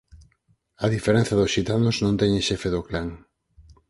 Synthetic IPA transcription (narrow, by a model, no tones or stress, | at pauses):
ɐðifeɾɛn̟θɐðʊsʃit̪anʊznõnt̪ɛɲeʃɛfeðoklaŋ